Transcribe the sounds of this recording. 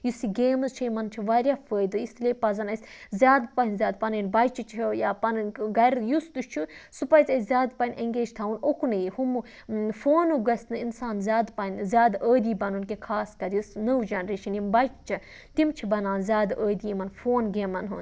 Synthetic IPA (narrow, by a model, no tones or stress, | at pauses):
jusiɡeːmɐzt͡ʃʰɐmɐnt͡ʃʰiʋaːɾʲjaːfəːjd̪ɨist̪lʲeːpɐzɐnɐsʲzʲjaːd̪pɐnzʲaːd̪̚pɐnənbɐjt͡ʃʰit͡ʃʰijaːpɐnɨnɡɐɾjust̪ut͡ʃʰusupɐjt͡sʲɐzʲaːd̪pɐnʲʔeŋɡeːd͡ʒt̪ʰaunokunɐjihumu | foːnuɡɐsʲnɨinsaːnzʲaːd̪pɐnʲzʲaːd̪əːd̪iːbɐnunkekʰaːskɐɾjusnəwd͡ʒɐnɾeːʃɐnjimbɐjt͡ʃt͡ʃʰi | t̪imt͡ʃʰibɐnãːnzʲjaːd̪əːd̪iimɐnfoːnɡeːmɐnɦṵn